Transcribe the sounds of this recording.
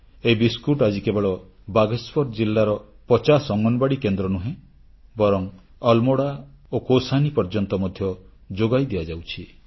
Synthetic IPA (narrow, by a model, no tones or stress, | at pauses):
eibiskuʈad͡ʒikebɔɭɔ | baɡespɔɾd͡ʒilːaɾɔpɔt͡ʃasɔŋɡɔnɔbaɽikend̪ɾɔnuɦẽ | bɔɾɔŋ | ɔlmoɽaokosanipɔɾd͡ʒɔnt̪ɔmɔd̪ʱjɔd͡ʒoɡajd̪ijad͡ʒawt͡ʃʰi